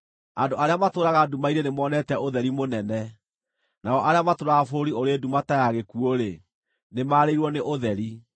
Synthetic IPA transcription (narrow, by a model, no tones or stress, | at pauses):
andoʔaɾeamatoːɾaɣadumaiɾenemɔːnɛtɛoðɛɾimonɛnɛ | naɔʔaɾeamatoɾafoɾioɾedumatajaɣekuoɾe | nemaːɾeiɾwɔneʔoðɛɾi